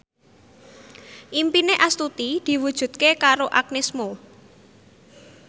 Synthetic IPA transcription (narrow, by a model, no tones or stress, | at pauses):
ʔimpineʔast̪ut̪id̪̥i̤wud̥ʒ̥ṳd̪̚kekaɾoʔak̚nɪsmo